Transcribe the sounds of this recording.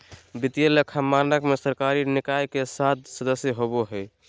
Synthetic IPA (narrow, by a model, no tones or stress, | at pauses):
bit̪ijəlekʰamanəkmesəɾkaɾinikajkesat̪̚ʰsəd̪əsjəɦoboɦəj